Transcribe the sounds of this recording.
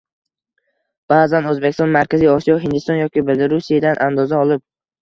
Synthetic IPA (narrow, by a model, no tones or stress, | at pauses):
b̥aːzanɵzbekʲɪst̪ɒnmaɾkʲazijɒsijɒɦɪnd̪ɪst̪ɒnjɒkʲɪbɪld̪ɪɾusijad̪anʔand̪ɒzaɒlˠɪp̚